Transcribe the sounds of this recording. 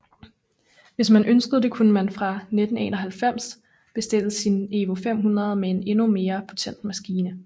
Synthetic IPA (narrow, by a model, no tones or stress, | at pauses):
ʋe̝smænʔønsɡ̥əð̞̩ˠd̥e̝kʰunəmænfʁɑ̈ned̥n̩e̝̰ːnɒɦælfem̰s | b̥e̝sd̥e̝l̰̩sine̝ʋo̝fem̰ɦunʁɐð̞ˠmee̝ne̝nume̝ːɐpʰo̝t͡sʰen̰d̥mæsɡ̥iːnə